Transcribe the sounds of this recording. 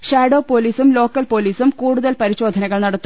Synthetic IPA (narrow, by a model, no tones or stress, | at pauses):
ɕaːɖo̞ːpoːliːsumlo̞ːkːɐlpo̞ːliːsumkuːɽuðɐlpɐɾiɕo̞ːd̪ʱɐnɐɣɐɭnɐɽɐt̪ːu